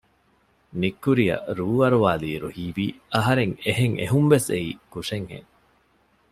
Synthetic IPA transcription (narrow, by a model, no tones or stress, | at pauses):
nikːuɾiɐ̰ɾuːʋɐɾuʋaːliːɾuhiːbiːɐɦɐɾeŋeɦeŋḛɦumʋeseiːkuʂeŋhḛŋ